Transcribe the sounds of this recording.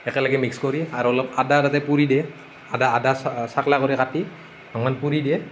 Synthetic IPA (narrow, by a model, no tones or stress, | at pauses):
ɛkɛlaɡɛmikskɔɹiaɹɔlɔp̚adatatɛpuɹidɛ | adaːdassaklakɔɹikati̥ | ɔŋmanpuɹidɛ